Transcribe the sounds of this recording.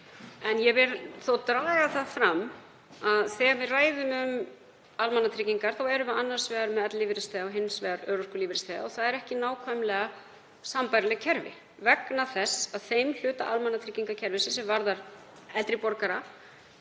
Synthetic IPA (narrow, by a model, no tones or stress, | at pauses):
ɛnjɛvɛɾθowt̪ɾaːɣaθaðfɾam | aðθɛːɣanvɪðraːjðʏmʏm | almanːat̪ʰɾiciŋkaɾ̥θawɛɾʏʏanːar̥svɛːɣaɾmɛðɛt̪liːvɪɾɪst̪ɛːaɔɦɪnsvɛːɣaɾœːɾɔskʏliːvɪɾɪst̪ɛːa̰ɔθaðɛɾɛhcɪnaːwkʰvamlɛɣa | sampajɾlɛɣcʰɛɾvɪ̰ | vɛknaθɛsːaðθejml̥ʏːt̪a̰ʔalmanːat̪ʰɾiciŋkacʰɛɾvɪsɪsɛmvaɾðaɾ̥ | ɛlt̪ɾɪpɔɾkaɾa